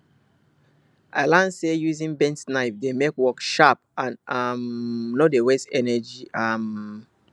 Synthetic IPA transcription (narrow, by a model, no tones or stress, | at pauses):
ʔaɪlãnsejuzĩnbɛ̃ntnaɪfdemekwɔkʃap̚ãnʌmnodewɛsɛnɛd͡ʒiam